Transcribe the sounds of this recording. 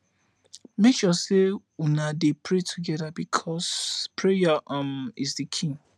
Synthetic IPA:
mekʃɔse | unadepʰɹetʰuɡɛðabikʰɔspʰɹejaamisdikʰĩŋ

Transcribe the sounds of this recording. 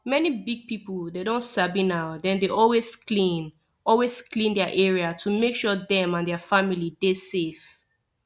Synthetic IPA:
mɛnibiɡ̚pipl̩dedõntsabĩnaʊdɛ̃ndeʔɔlwesklĩn | ɔlwesklĩndɛaʔɛɹiatʰumekʃɔðɛ̃mãndɛafamilidesef

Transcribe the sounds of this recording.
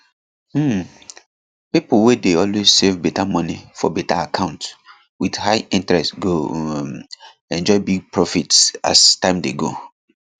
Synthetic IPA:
m̩ | piplwedeɔlwezsevbɛtamɔ̃nifɔ̰bɛtaakʰãʊ̃nt | widhaɪĩntɹɛstɡo | ɛ̃nd͡ʒɔɪbiɡ̚pʰɹɔfitsa̰stãɪ̃mdeɡo̰

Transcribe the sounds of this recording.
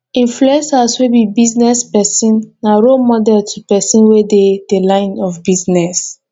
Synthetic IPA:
ĩɱfluɛ̃saswebibiznɛspɛsĩnːaɹomɔdɛtʰupɛsĩnweded̥elãɪ̃nɔfbiznɛs

